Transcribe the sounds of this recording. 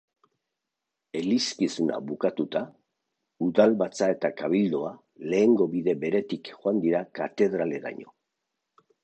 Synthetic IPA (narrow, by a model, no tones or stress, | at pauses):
e̞liskisuna̰βukat̪ut̪a | uðalβat͡sae̞t̪akaβ̞ild̪oa | le̞ːŋɡo̞βiðe̞βe̞ɾe̞t̪ikxoand̪iɾakat̪e̞ðɾale̞ða̰ɲo̞̰